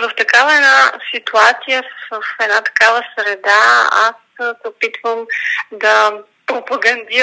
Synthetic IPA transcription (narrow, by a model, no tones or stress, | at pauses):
voft̪ɐkavəɛnasit̪uat̪sijəfɛd̪nat̪ɐ̥kavəsɾɛd̪aa̰ssɛopit̪vəmd̪ɐ | pɾopɐɡɐnd̪i